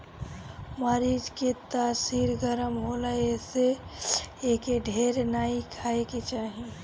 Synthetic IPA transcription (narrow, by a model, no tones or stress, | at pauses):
məɾiːd͡ʒket̪aːsiːɾɡəɾəmɦoləese | ekeɖʱeːɾnaːikʰaːeket͡ʃaːɦi